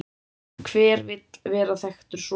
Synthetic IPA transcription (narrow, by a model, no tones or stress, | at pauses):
kʰvɛːɾvɪt̪lvɛːɾaθɛxt̪ʏɾ̥s